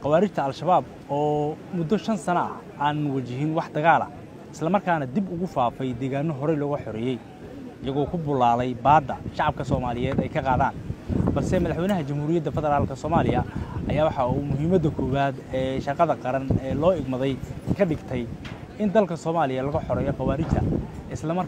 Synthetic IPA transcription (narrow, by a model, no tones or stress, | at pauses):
qɑwaːɾɪt͡ʃt̪ʰɐɐlʃɐβaːb̚ | ɔːmʊd̪ːɔʃɐnsɐnɐʔɐ | aːnʊwɑt͡ʃɪɦɪnwɑħd̪ɐɣaːlɐ̰ | ɪ̥slɐmɐrkʰaːnɐd̪ibʊɣʊfaːfɛjd̪ɛːɣaːnɔɦɔɾɛjlɔɣɐħɔɾɪjɛj | ɪjɐɣɔːkʰʊbʊlaːlɛjbaːd̪ːɐʃɑʕɑb̚kʰɐsɔːmaːlɪjɛːd̪ɛjkʰɐqɑːðaːnbɐlsɛmɐðɐħwɛjnɐɦɐt͡ʃɐmhuːɾɪjɐd̪ːɐfɛðɛɾaːlkʰɐsɔːmaːlɪjɐʔɐ̰jaːwɑħɑuːmʊɦiːmɐd̪ɐkʰɔːβaːd̪ɛːʃɐrqɑðɐqɑɾɐnɛːlɔːɪɡmɐðɛjkʰɐɖɪɡt̪ʰɛj | ɪnd̪ɐlkʰɐsɔːmaːlɪjɐlɐɣɐħɔɾɛːjɔqɑwaːɾɪt͡ʃt̪ʰɐɪslɐmɐr